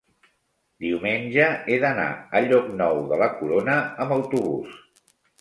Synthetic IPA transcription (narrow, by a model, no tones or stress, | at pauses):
d̪iumenʲʒəeðəna̰əʎɔknɔwðələkuɾonəəmbəwt̪uβus